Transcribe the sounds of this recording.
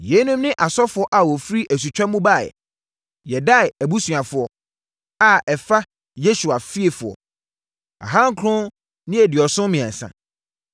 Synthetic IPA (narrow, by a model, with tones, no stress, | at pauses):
jɛ˨˦nũ˦mnɪ̃˦ʔa˨sɔ˦fʊ˨ɔ˦ʔa˨wɔ˨fɾi˦ʔæ˨s̬u˨t͡ɕᶣã˦mʊ̃˦ba̰˦˨ | jɛ˨da˦˨æ˨bu˦sɥ̃ã˨fʊ˨ɔ˨ | a˨ɛ˨fa˦ | je˦su˨a˨fi˦e˨fʊ˨ɔ̰˨ | a̰˨ɦã˦ŋ˦kʰɾʊ̃˦ | nɪ̃˦æ˨dɪ˨ɔ˨sʊ̃˦mĩ˨ã̰˨n˨sã̰˨